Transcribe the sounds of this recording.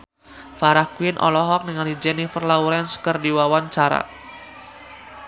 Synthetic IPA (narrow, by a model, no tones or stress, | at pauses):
faɾahkwɪnʔɔ̰lɔɦɔk̚niŋalid͡ʒɛnifərlauɾɛnskərdiwawaɲt͡ʃaɾa̰